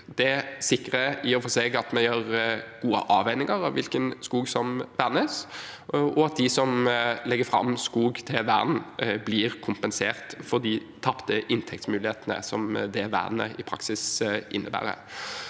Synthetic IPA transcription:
d̪ɛsɪkːɾəɪɔfɔseːɡɑt̪mɛjøːʁɡ̥uːə̰ʔɑːʋæɪnɪŋəɾɑʋʋɪlkənskuːɡsɔmʋæʁnəs | ɔɑt̪̚d̪ɪsɔmlɛɡːəfɾɑ̰mːskuːɡt̪ʰɪʋæ̰ɾn̩bliːɾkʰʊmpənseːʁt̪fɔd̪ɪt̪ʰɑpt̪əʔɪnt̪ʰɛkt̪smʉːlɪheːt̪ənə̰sɔmd̪ɛʋæ̰ʁnə̰ɪpʰɾɑ̰ksɪsʔɪnːəbæ̰ːɾə̰

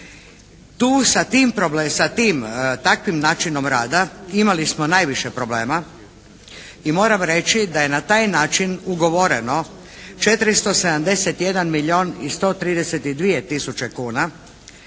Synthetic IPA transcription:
t̪uːsat̪iːmpɾoblesat̪iːmt̪akʋimnaːt͡ʃino̞mɾaːd̪aimalismonajʋiʃepɾo̞ble̞ːma | imo̞ːɾamɾe̞t͡ʃid̪aje̞nat̪aːjnaːt͡ʃinuɡo̞ʋoɾḛno̞ | t͡ʃet̪ɾist̪o̞se̞d̪amd̪e̞set̪je̞d̪anmiʎʲioːnist̪o̞ːt̪ɾiːd̪eset̪id̪ʋiet̪isut͡ʃekuːna

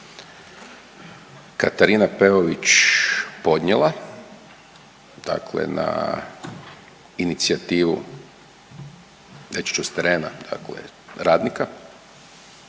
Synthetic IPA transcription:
kat̪aɾinapeoʋit͡ʃ | po̞d̪ɲelˠa | d̪̥a̰klḛna̰ | init̪siat̪iːʋṵ | det͡ʃi̥t͡ʃust̪eɾeːnad̪̥a̰klḛɾaːd̪nika

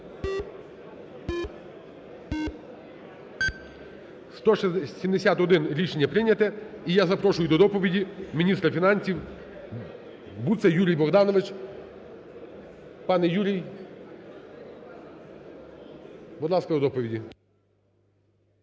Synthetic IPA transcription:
st̪ɔʃsʲimd̪esʲat̪ɔd̪ɪnɾʲiʃenʲːɐpɾɪnʲɐt̪ɛijazɐpɾɔʂʊjʊd̪ɔd̪ɔpɔʋʲidʲimʲinʲist̪ɾɐfʲinɑnʲsʲiw | but̪sɛjuɾʲijbɔɣd̪ɑnɔʋɪt͡ʃ | pɑnɛjuɾʲij | bud̪lˠɑskɐd̪ɔd̪ɔpɔʋʲidʲi

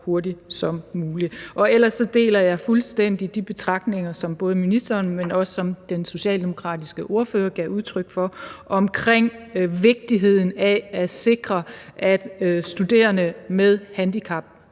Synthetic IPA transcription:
ho̝ɐdisɒ̽mmuːliʔɒ̽el̰ɐsːɒ̽d̥e̝̰ːlɐjɑ̈ɪfulsd̥en̰d̥id̥ib̥e̝t͡sʰʁɑ̈ɡ̥̚d̥ne̝ŋɐsɒ̽mb̥ɔ̽ːð̞ˠəminisd̥ɐːnmenɒ̽səːɒ̽md̥enso̝ɕɛ̰ːld̥e̝mo̝kʰʁɑ̰̈ːd̥isɡ̥əʔo̝ːɐføːɐɡ̥iɐuð̞ˠt͡sʰʁœɡ̥fɒ̽ʔɒ̽mkʰʁeŋ̰ʋe̝ɡ̥̚d̥iɦe̝ð̞̰ˠn̩ææse̝ɡ̥ʁɐʔæd̥sd̥ud̥e̝̰ːɐnəmeð̞ˠhænd̥ikʰɑ̈b̥̚

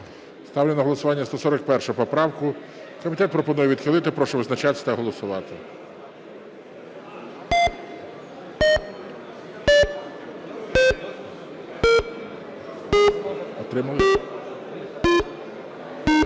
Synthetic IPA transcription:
st̪ɑwlʲenɐɦɔlˠɔsʊʋɑnʲːɐst̪ɔsɔɾɐk̚pɛrʃʊpɔpɾɑwkʊ | kɔmʲit̪ɛt̪̚pɾɔpɔnujɛʋʲid̪xɪlˠɪt̪ɪpɾɔʃɛʋɪznɐt͡ʃɑt̪ɪst̪ɐɦɔlˠɔsʊʋɑt̪ɪ̰ | ɔt̪ɾɪmɐlˠɪ

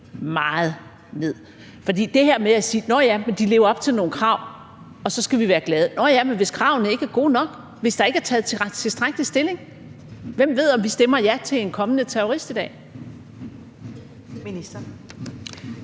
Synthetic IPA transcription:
mɑ̈ːð̞̩ˠ | ne̝ð̞̰ˠ | fɒ̽d̥ḭːd̥e̝hæɐ̰meæsiːnɒjæmend̥ile̝ːʊɐɒ̽b̥̚t͡sʰe̝lno̝ːnkʰʁɑ̈ʊ̰ | ɒ̽sɒ̽sɡ̥æʋiʋæːɐɡ̥lɛːð̞ˠənɒjæmenʋe̝skʰʁɑ̈ʊnəe̝ɡ̥æɐɡ̥o̝̰ːnɒ̽ɡ̥ | ʋe̝sd̥ɑ̈e̝ɡ̥æɐt͡sʰɛːð̩ˠt͡sʰt͡sʰe̝sd̥ʁaɡ̥̚dlisd̥e̝le̝ŋ | ʋem̰ʋe̝ð̞̰ˠɒ̽mʋisd̥emɐjæt͡sʰe̝lenkʰɒ̽mənət͡sʰeoʁisd̥id̥ɛ̰ː | iisɐ

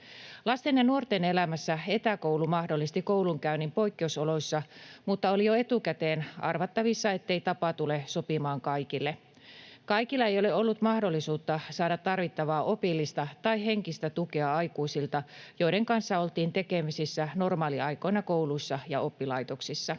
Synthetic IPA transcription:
lɑst̪enjɑnuort̪ene̞læmæsːæe̞t̪æko̞uwlumɑhdo̞lːist̪iko̞uwluŋkæynimpo̞ikːeusolo̞isːɑmut̪ːɑo̞lijoe̞t̪ukæt̪eːnɑ̰rʋɑt̪ːɑʋisːɑe̞t̪ːe̞it̪ɑpɑt̪ule̞so̞pimɑːŋkɑjkilːe | kɑikilːɑe̞jo̞le̞o̞lːut̪mɑhdo̞lːisuːt̪ːɑsɑːdɑt̪ːɑrʋit̪ːɑʋɑːʔo̞pilːist̪ɑt̪ɑiɦe̞ŋkist̪æt̪uke̞ɑɑjkuisilt̪ɑjo̞jɾeŋkɑnsːɑo̞lt̪iːnt̪e̞ke̞misisːæno̞rmɑːliɑjko̞jnɑko̞uluisːɑjɑo̞pːilɑjt̪o̞ksisːɑ

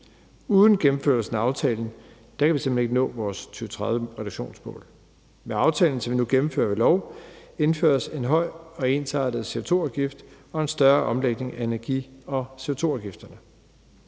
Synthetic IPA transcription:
uːðˠn̩ɡ̥emm̩føɐ̰snæɑ̈ʊt͡sʰɛːln̩ | d̥æ̈kʰæʋisemb̥ene̝ɡ̥nɔ̰̽ːʋɒːst͡sʰyːʊt͡sʰʁaðˠjəʁɛɾuɡ̥ɕo̝̰ːnsmɔ̰̽ːl | meɑ̈ʊt͡sʰɛ̰ːln̩sɒmʋinuɡ̥emm̩fø̰ːɐʋe̝lɒʊe̝nfø̰ːɐse̝nɦɒ̽ɪ̰ɒ̽e̝nsʰɑ̰̈ːd̥ð̩ˠse̝o̝t͡sʰo̝̰ːɑʊɡ̥ifd̥ | ɒ̽e̝nsd̥ɶɐʔɒ̽mleɡ̥̚ne̝ŋæenæɐɡ̥ḭːɒ̽se̝o̝t͡sʰo̝̰ɑʊɡ̥ifd̥ɐnə

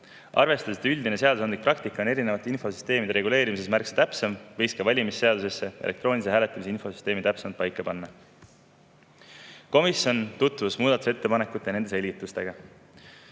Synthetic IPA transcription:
ʔɑ̰rve̞st̪ɑsid̪yld̪ine̞se̞ɑd̪usɑnd̪lik̚prɑk̚t̪ikːˑɑo̞ne̞ɾine̞vɑt̪ːˑeinfo̞sy̥st̪e̞ːmid̪e̞ɾe̞ɡule̞ːɾimise̞smærkse̥t̪æpsemvɤjskɑvɑlʲimisːe̞ɑd̪use̞sːe̞ʔelek̚t̪ro̞ːnʲis̬eæːle̞t̪ːˑɑmiseinfo̞sy̥st̪e̞ːmit̪æpsemɑlt̪pɑjkːˑɑpɑnːɑ | ko̞misjo̞nt̪ut̪vusmuːd̪ɑt̪u̥se̞t̪ːepɑne̞kːˑut̪ːˑjɑne̞nd̪e̞se̞lʲɡit̪ːˑust̪e̞ɡ̥ɑ

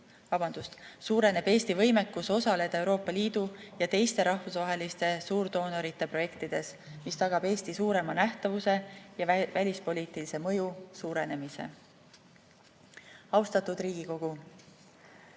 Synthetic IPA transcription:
vɑbɑnd̪̥ust̪suːɾe̞ne̞b̥e̞ːst̪ivɤ̞jme̞kːˑuso̞sɑle̞d̪̥ɑe̞wɾo̞ːpːˑɑliːd̪̥ujɑt̪e̞jst̪e̞ɾɑhvusvɑɦe̞list̪e̞suːɾd̪̥o̞ːnoɾit̪ːˑe̞pro̞je̞kt̪id̪̥e̞s | mist̪ɑɡ̥ɑb̥e̞ːst̪isuːɾe̞mɑnæht̪ɑvuse̞jɑvælʲispo̞lʲiːt̪ˑilise̞mɤ̞jusuːɾe̞ne̞mise̞̰ | ɑwst̪ɑt̪ud̪̥riːɡ̥iko̞ɡ̥u

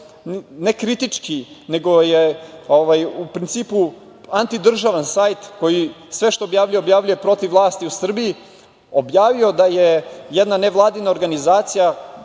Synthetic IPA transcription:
ne̞kɾit̪it͡ʂkine̞ɡo̞jeoʋajupɾint̪siːpu | ant̪id̪r̩ʒaʋansajt̪ko̞ji | sʋe̞ʃt̪o̞ːbjaːvʎuje̞objaːʋlʎuje̞pɾo̞t̪iʋlˠaːst̪iusr̩biji | o̞bjaːʋio̞d̪ajejɛd̪naneʋlˠaːd̪inao̞ɾɡanizaːt̪sija

